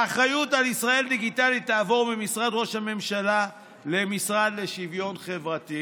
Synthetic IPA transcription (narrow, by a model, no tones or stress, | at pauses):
aχajutalisʁae̞ld̪iɡit̪alit̪ːaːvo̞ʁmimisʁad̪ʁo̞ʃhame̞mʃala | le̞misʁad̪le̞ʃivjo̞nχe̞vʁat̪i